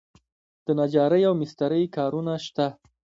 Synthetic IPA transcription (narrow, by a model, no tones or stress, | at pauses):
d̪̥ənad͡ʒɑɾəjawmɪst̪aɾəjkɑɾunaʃt̪a